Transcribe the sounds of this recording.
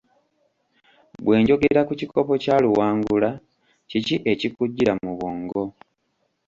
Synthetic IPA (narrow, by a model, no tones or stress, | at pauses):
bwʔe̞ːɲɟo̞ɡeɾakuciko̞po̞caːluwaːŋɡula | ciciʔe̞cikuɟːiɾamuβoːŋɡo̞